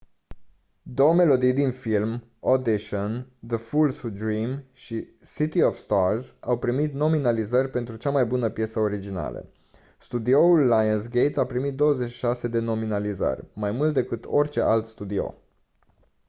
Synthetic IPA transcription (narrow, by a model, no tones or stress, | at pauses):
d̪o̞wəme̞lo̞d̪ijd̪infilm | od̪iʃond̪əfulsud̪ɾimʃi | sit̪iofst̪arzawpɾimit̪no̞minalizərʲpe̞nt̪ɾut͡ʃamajbunəpje̞səo̞ɾid͡ʒina̰lə̰ | st̪ud̪ioulːajəns̬ɡejt̪apɾimit̪̚d̪o̞wəzet͡ʃʃi̥ʃase̞d̪e̞no̞minalizə̰rʲmajmult̪̚d̪e̞kɨt̪o̞rʲt͡ʃe̞ʔalt̪st̪ud̪io̞̰